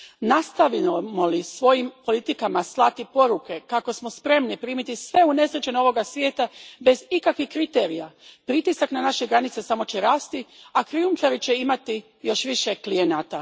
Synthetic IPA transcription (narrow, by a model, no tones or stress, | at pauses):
nast̪aʋimo̞lisʋo̞jimpo̞lit̪ikamaslˠat̪ipo̞ɾuke̞kako̞smo̞spɾe̞mnipɾiːmit̪isʋe̞une̞sɾet͡ɕeno̞ʋo̞ɡasʋjeːt̪abe̞zikakʋihkɾit̪e̞ɾijapɾit̪isaknanaʃeɡɾanit̪sesamo̞t͡ɕeɾaːst̪iakɾiumt̪aɾit͡ɕe̞imat̪i | jo̞ʃʋiʃe̞klijenaːt̪a